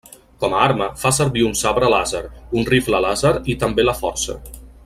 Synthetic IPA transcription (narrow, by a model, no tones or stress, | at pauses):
kɔməaɾməfasəɾβiunsaβɾəlazəɾunrifləlazəɾit̪əmbeləfɔɾsə̰